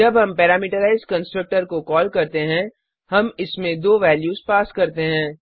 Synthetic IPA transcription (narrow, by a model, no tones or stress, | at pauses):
d͡ʒɐbɦɐmpɛːɾaːmiːʈəɾaːɪzɖkɐ̃nsʈɾək̚ʈəɾkokɔːlkɐɾt̪eɦɛ̃ | hɐmɪsmẽd̪oːʋɛːljuːzpaːskɐɾt̪eɦɛ̃ː